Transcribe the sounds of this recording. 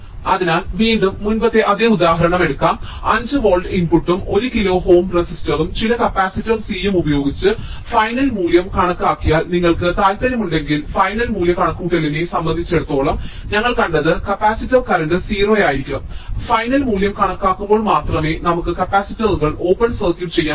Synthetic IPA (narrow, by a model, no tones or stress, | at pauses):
ɐðinaːlʋiːɳɖumːunpɐt̪ːe̞ʔɐðeːud̪aːɦɐɾɐɳɐmeɽukːaːm | ɐɲd͡ʑɨʋo̞ːɭɖinpuʈːumo̞ɾukilo̞ːɦo̞ːmresistɐrumt͡ɕilɐkɐpːaːsitːɐsiːjɐmubɐjo̞ːɡit͡ɕːɨfɐjnɐlmuːljɐmkɐɳɐkːaːkːijaːlniŋːɐɭkɨt̪aːlt̪ɐnjɐmuɳɖe̞ŋɡilfɐjnɐlmuːljɐkɐɳɐkːuːʈːɐlinesɐmbɐnd̪ʱit͡ɕːe̞ɽut̪ːo̞ːɭɐm | ɲɐŋːɐɭkɐɳɖɐðɨkɐpaːsitːɐrkɐɾɐnɖɨsiːroːjaːjiɾikʲːuɐmfɐjnɐlmuːljɐmkɐɳɐkːaːkːumbo̞ːɭmaːt̪rɐme̞ːnɐmukːɨkɐpaːsitːɐðuɣɐɭo̞ːpːɐnsɐrkjuʈt͡ɕe̞jːaː